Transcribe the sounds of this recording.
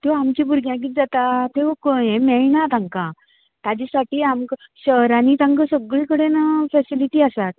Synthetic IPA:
t̪eamt͡ɕibʱuɾɡjãɡiːt̪d͡zat̪at̪eʋokoẽmɛɭnat̪ãŋkã | t̪ad͡ʑasaʈiːamkɕəɾanit̪ãŋkəsəɡɭĩkəɽenəfɛsiliʈiːasat̪̚

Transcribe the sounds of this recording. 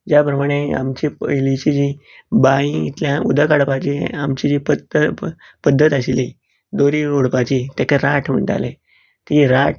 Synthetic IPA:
d͡ʑjapɾəmaɽ̃ea̰mt͡ɕipəjlit͡ɕid͡ʑi | bajĩit̪ljãud̪akaɽpat͡ɕiamt͡ɕid͡ʑipəd̪ | pəd̪ʱːət̪aɕili | d̪oɾioɽpat͡ɕit̪jakaɾaʈʰm̤ə̰ɳʈa̰lḛ̃ | t̪iɾaʈʰ

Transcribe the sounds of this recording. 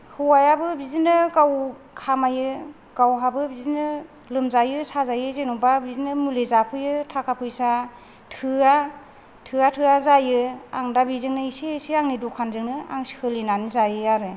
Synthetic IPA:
hɯwajabɯbizinɯɡaw | kʰamajɯ | ɡ̥awɦabɯbizinɯ | lɯmzajɯsazajɯzenubabizinɯmulezapʰɯjɯtʰakʰapʰɯjsa | tʰɯa | tʰɯatʰɯazajɯa̰ŋdabizɯŋnɯiseseaŋnidukʰanzɯŋnɯa̰ŋshɯlinanizajɯaɾɯ

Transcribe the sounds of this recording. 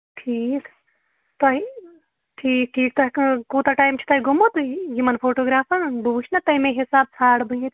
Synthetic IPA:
ʈʰiːk | t̪ɐɦi | ʈʰiːk̚ʈʰiːkt̪ɐkkuːt̪ɐʈaːjmt͡ʃʰi̥t̪ɐɦiɡʱumut̪jimɐnpʰoːʈoːɡɾaːfɐnbuːt͡ʃʰnɐt̪ɐɦimẽɦisaːb̚sʰaːɽbʱujet̪

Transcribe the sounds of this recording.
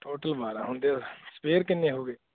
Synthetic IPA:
ʈoːʈəlbaːɾãɦõnd̪espeːɾkɪnẽɦoːɡeː

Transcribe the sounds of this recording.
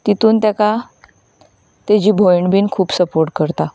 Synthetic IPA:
t̪it̪uːnt̪jaka | t̪jad͡ʑiːbʱojɳɖbiːnkʰuːpsəpoɾʈ̚kəɾt̪a

